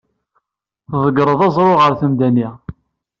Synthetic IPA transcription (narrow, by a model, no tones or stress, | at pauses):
θðˤəɡɾˤəðˤɑzˤɾˤoʁəɾθəmd̪æni